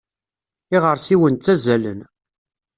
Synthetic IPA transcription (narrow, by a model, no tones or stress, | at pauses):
ɪʁəɾsiwənt͡sːæzælən